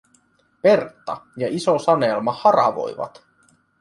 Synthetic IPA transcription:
pe̞rt̪ːɑjɑisosɑnelmɑhɑɾɑ̰ʋo̰jʋɑ̰t̪

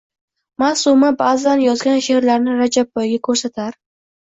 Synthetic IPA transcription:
masumabaːzanjɒzɡʲanʃeɾlaɾnɪɾad͡ʒabːɒjɡʲakʰɵɾsat̪ʰaɾ

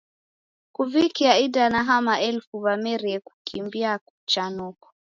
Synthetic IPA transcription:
kuvikiaidanaɦamaʔɛlfuvamɛɾiɛku̥kʰimbiaku̥t͡ʃanɔkɔ̥

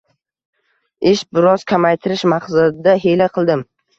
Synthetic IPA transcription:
ɪʃbɪɾɒz̥kʲʰamajt̪ʰɪɾɪʃmaχsad̪ɪd̪aɦelaqʰɨlˠd̪ɪm

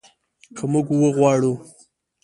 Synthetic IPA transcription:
kʰəmuɡwəɣwɑɽu

